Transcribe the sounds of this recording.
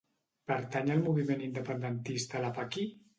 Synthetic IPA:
pəɾt̪aɲəlˠmuβimenind̪əpənd̪ənt̪ist̪əlapaki

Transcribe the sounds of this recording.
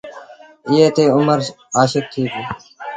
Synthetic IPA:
ɪjeːt̪eːʊməɾ | aːʃək̚t̪ʰiːb̪iː

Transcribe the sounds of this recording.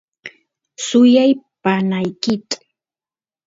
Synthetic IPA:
sʊjajpanajkɪt̪ḁ

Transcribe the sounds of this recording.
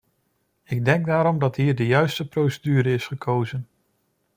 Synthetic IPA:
ɪɡ̚dɛŋɡ̚daːɾɔmdɑtɦiːɹdəjœɥstəprowsədyːɾəɪsχəkʰowzən

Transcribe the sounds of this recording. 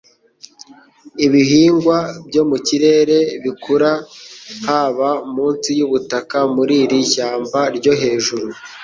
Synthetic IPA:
iβiɦiːŋɡwabɟo̞muciɾe̞ːɾe̞βikʰuɾahaβamuːnsijuβutakamuɾiɾiçaːmbaɾɟo̞ɦe̞ːʒuɾu

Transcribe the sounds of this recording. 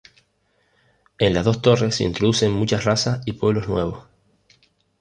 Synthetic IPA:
ẽ̞nlazðo̞st̪o̞re̞sḛḭnt̪ɾoðuse̞ŋmut͡ʃasrasaipwe̞βlo̞znwe̞̰β̞o̞s

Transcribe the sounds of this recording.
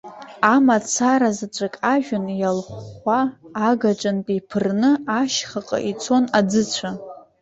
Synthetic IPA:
amat͡sʰaɾazat͡ʃʷʼakʼaʒᶣʊnjalχʷaːɡaʈ͡ʂʼanpʼipʰɨrnɨaʃχaqʼa̰ʔit͡sʰo̞nad͡zɨt͡ɕʷʰa

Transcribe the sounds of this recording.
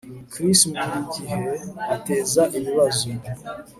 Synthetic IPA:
kɾismuiiɟiɦeate̞ːzaʔiβiβazobo

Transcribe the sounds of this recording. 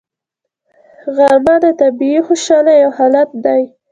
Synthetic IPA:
ɣamad̪ət̪abiixoʃɑlajawhɑlat̪̚d̪aj

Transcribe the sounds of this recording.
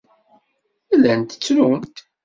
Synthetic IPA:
ælænt̪ə̥t͡sːɾunt̪

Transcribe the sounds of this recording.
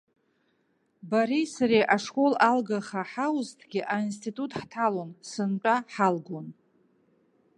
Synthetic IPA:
baɾejsaɾeʔaʂkʷʼo̞lalɡaχaħawʊztʰɡʲɪʔains̬tʰitʼutʰʼħtʰalonsɨnʈ͡ʂʷʼaħalɡon

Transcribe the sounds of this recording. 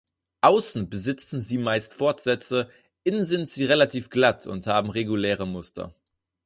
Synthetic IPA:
ʔaʊsn̩bəzɪt͡sn̩ziːmaɪstfɔɐtz̥ɛt͡sə | ʔɪnənzɪntz̥iːʁelatʰiːfɡ̥latʰʊ̰nthaːbm̩ʁeɡulɛːʁ̞əmʊstʰɐ̰

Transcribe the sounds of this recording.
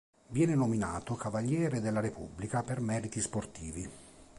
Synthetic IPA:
vjɛːnenominaːt̪okavaʎːɛːɾed̪elːaɾepṵbːlikapermɛːɾit̪isport̪iːvi

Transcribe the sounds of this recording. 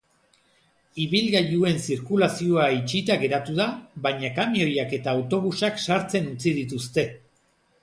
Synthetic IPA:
iβilɣajue̞nsiɾkulasioait͡ʃit̪aɣe̞ɾat̪uðaβajɲakamio̞jake̞t̪aːwt̪o̞βusaksaɾt͡se̞nut͡sið̞it̪ust̪e̞

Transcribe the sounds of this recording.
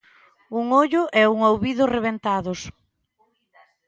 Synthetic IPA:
uŋoʎʊʔɛuŋowβiðʊsreβent̪aðʊs

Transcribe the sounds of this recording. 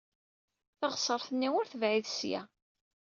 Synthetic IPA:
θɑʁsˤəɾˤθənːiwʊɾθəvʕiðsjæ̰

